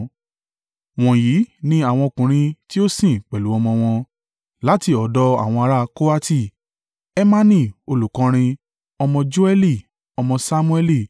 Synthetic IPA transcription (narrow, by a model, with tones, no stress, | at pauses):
w̃ɔ̃˨ji˨˦nĩ˦a˦˨w̃ɔ̃˧kũ˨ɾ̃ĩ˧ti˦o˦sĩ˦˨k͡pɛ˨lu˨˦ɔ˧mɔ̃˧w̃ɔ̃˧ | la˦ti˧ɔ˨˦dɔ˧a̰˨w̃ɔ̃˧a˧ɾa˧ko˦a˦ti˦˨ | ɛ˦mã˦nĩ˦˨o˧lu˨kɔ̃˨˦ɾ̃ĩ˧ | ɔ˧mɔ̃˧d͡ʒu˦ɛ˦li˦˨ | ɔ˧mɔ̃˧sa˧mũ˦ɛ˧li˦˨